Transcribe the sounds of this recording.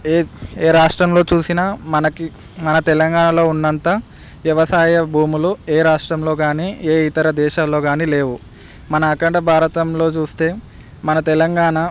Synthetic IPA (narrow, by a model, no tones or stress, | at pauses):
eeːɾaːʂʈɾɐmlo̞ːt͡ʃuːsinɐmɐnɐki | mɐnɐt̪ɛlɐŋɡaːɳɐlo̞ːunːɐnt̪ɐ | ʋjɐʋɐsaːjɐbʱuːmulueːɾaːʂʈɾɐmlo̞ːɡaːniːeːit̪ɐɾɐd̪ɛːʃaːlo̞ːɡaːniːle̞ːʋu | mɐnɐːkɐɳɖɐbʱaːɾɐt̪ɐmlo̞ːt͡ʃuːst̪e̞ː | mɐnɐt̪ɛlɐŋɡaːɳɐ